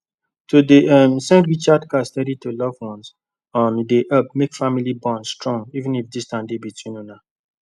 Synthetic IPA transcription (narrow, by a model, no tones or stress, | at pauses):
todeʌmsɛ̃ntɹit͡ʃadkastɛɾitolɔvwɔ̃ns | ɔ̃ndeʔʌp̚mekfamilibɔ̃nstɹɔ̃ŋivɨ̃nifdistãndebitʰwĩnona